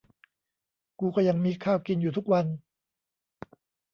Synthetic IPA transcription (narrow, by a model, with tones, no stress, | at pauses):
kuː˧kɔː˥˩ja˧ŋmiː˧kʰaː˥˩wki˧njuː˨˩t̪ʰu˦˥k̚wa˧n